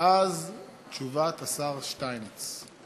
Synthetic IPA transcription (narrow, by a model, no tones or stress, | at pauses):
ʔaz | tt͡ʃuvat̪asaʁʃtajnet͡s